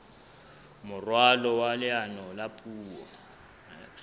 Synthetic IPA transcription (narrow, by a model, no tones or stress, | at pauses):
mʊrwalɔwalɪanɔlapʼʰuːwɔ̰